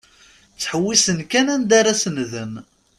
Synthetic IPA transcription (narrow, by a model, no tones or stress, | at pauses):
t͡sːħəwːisənkænænd̪aɾasənðən